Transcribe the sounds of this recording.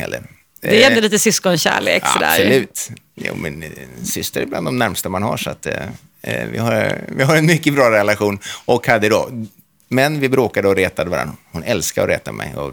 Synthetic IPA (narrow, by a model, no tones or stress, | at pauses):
hɛ̰lːə̰ɾ | d̪ɛɛnd̪liːt̪əsʏskɔnɕæ̰ːɭḛːksa̰ɔd̪æ̰ːɾɔlʉ̟ːt̪ | jṵːmɪnsʏst̪əɾɪbland̪ɔmnæɾmst̪amanha̰ʂa̰t̪ | vɪ̰haɾvɪɦaɾɛnmʏkːəbɾɑːɾɛlaɧuːnɔkhad̪ːəɪd̪ɔ̰ | mɛnvɪbɾoːkad̪əɔɾeːt̪ad̪əvaɾa̰nːɔhʊnɛlskaɔɾɛ̰ːt̪amɛ̰jɔ̰